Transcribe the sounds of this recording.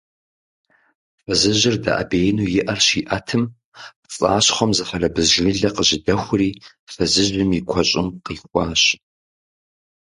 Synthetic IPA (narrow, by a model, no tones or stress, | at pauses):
fɐzɨʑɪrdɐ̰ʔɐ̰beːjnuːjɪʔɐrɕiːʔɐtʰɨm | pt͡sʼa̰ːɕχʷɐmzɨfɐrɐbɨzʒɪɮɐqəʑɪdɐxʷʊriː | fɐzɨʒɪmikʷʰɔɕʼɪmqiːχʷʼɑːɕ